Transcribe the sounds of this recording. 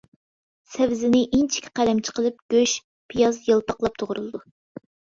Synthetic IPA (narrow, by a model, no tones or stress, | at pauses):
sɛvzɪnɪʔint͡ʃʰi̥kʲʰqʰælɛmt͡ʃʰə̥qəlˠɨp̚ɡ̥ʲøʃ | pʰijɑzjəlˠpɑqlˠɑp̚t̪ʰoʁɾɨlˠɨd̪u